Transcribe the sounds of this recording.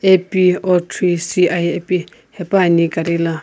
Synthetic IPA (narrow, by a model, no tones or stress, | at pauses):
epiɔtʰɾisiʔajepi | hɛpanikaɾela